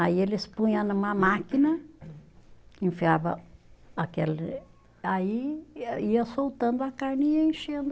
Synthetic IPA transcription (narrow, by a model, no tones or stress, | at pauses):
aielɪspũjɐ̃nũmɐmakinɐ | ĩfiabɐ̰akelɪ | ai | iɐsowt̪ɐ̃nd̪ʊɐkaɾnĩɲɐẽʃẽnd̪ʊ